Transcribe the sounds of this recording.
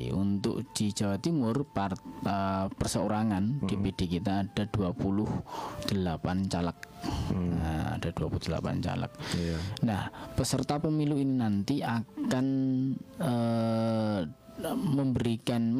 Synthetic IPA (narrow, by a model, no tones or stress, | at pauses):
ṵnt̪ʊ̰k̚d͡ʒ̥id͡ʒawat̪imʊrpaəpərsəoɾaŋand̥iped̥ekit̪aːd̥aduapulʊhd̥əlapant͡ʃalək̚ | a̰d̥aduapulud̥əla̰pa̰nt͡ʃa̰lə̰k̚nahpəsərt̪apəmiluininant̪iakan | ə | məmbəɾikan